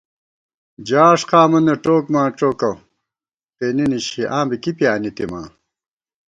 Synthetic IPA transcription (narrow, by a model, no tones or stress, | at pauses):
d͡ʑaːʂqaːmɐnɐʈoːkmãːʈ͡ʂoːkɐw | t̪eniniɕiʔãːbikipijaːnit̪imã̰ː